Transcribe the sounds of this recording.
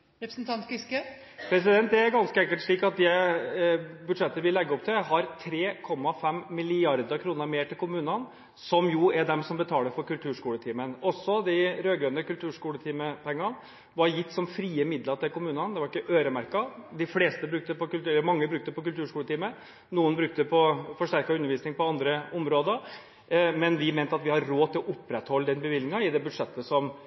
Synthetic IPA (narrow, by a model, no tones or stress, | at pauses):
ɾɛpɾsn̩t̪ʰɑnt̪kɪskə | pʰɾɛs̬ɪd̪ɛnt̪d̪ɛæɾɡɑnskəɛŋkəlt̪ʂɭiːkɑt̪̚d̪ɛ | bʉd̪ʂɛt̪ːəəʋɪlɛɡːəɔp̚t̪ʰɪlɦɑɾt̪ʰɾeːkʰɔmːɑfɛmːɪlɪɑɾd̪əɾkʰɾuːnəɾmeːʈʰɪlkʊmʉːnən | sɔmjʊæɖ̪ɛmsɔmbət̪ʰɑːləɾfɔɾkʉlt̪ʰʉːʂkuːlət̪ʰiːmənɔsːɔd̪æɪɾøːɡɾønəkʉlt̪ʰʉːʂkuːlət̪ʰiːməpʰɛŋːɑn | ʋɑɾjɪt̪ːsɔmfɾiːəmɪd̪ləʈ̪ɪlkʊmʉːnɑnd̪ɛʋɑɾɪkːəʔøːɾəmæɾkɑd̪ɪfleːst̪əbɾʉk̚t̪əpɔkʉlt̪ʉmɑŋːəbɾʉkt̪əpɔkʉlt̪ʉːʂkuːlət̪iːmə | nuːənbɾʉk̚t̪əpʰɔfɔʂʈæɾkɑʉnəɾʋiːsnɪŋpɔɑnd̪ɾəʊmɾoːd̪əɾ | mɛnʋɪmeɛːnt̪əɑt̪ʋɪhɑɾːoːt̪ʰɪlɔʔʊpːɾɛt̪hɔlːəd̪ɛnbəʋɪlnɪŋɑɪd̪ɛbʉd̪ʂɛt̪ːəsɔm